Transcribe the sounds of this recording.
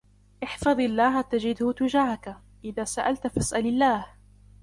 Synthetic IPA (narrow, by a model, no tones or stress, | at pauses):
ʔɪħfɑðˤɪlːaːɦat̪ad͡ʒɪd̪ʊhʊt̪ʊd͡ʒaːhaka | ʔɪðaːsaʔalt̪fasʔalɪlːaːh